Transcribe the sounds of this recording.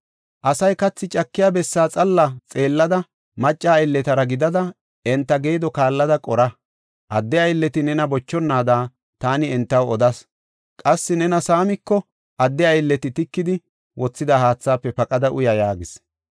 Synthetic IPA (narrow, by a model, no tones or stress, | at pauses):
ʔɐsɐjkɐt͡sːɪt͡ʃʼɐkːɪjaːbɛsːaːt͡sʼɐlːɐt͡sʼe̞ːlːɐd̪ɐ | mɐt͡ʃʼːaːjlːɛt̪ɐɾɐɡɪd̪ɐd̪ɐ | ɛnt̪ːɐɡeːd̪ɔkaːlːɐd̪ɐkʼɔɾɐ | ʔɐd̪ːɛɐjlːɛt̪ɪnɛnɐbɔt͡ʃːɔnːaːd̪aː | t̪aːnɪɛnt̪ːɐwɔd̪ɐs | kʼɐsːɪnɛnɐsaːmɪkːɔ | ʔɐd̪ːɛɐjlːɛt̪ɪt̪ɪkːɪd̪ɪ | wɔt͡sːɪd̪ɐhaːt͡sːaːpːɛpɐkʼɐd̪ɐʔʊjɐjaːɡɪs